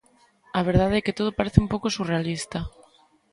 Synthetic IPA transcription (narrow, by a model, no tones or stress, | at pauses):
aβ̞eɾð̞aðeɛket̪oð̞opaɾeθɪumpowkosurealist̪a